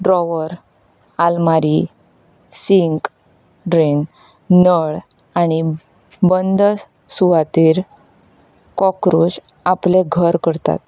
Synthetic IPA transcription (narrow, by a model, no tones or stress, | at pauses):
ɖɾɔʋəɾ | almaɾi | siŋk | ɖɾiŋk | nəɭ | añi | bənd̪ | suʋat̪iːɾ | kɔkɾus | apleɡʱəɾkəɾt̪a̰t̪